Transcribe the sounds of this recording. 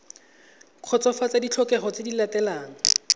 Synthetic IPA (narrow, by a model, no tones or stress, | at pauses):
q͡χʰɔt͡sɔfat͡sadit͡ɬʰɔkɛχɔt͡sedilatɛlaːŋ̩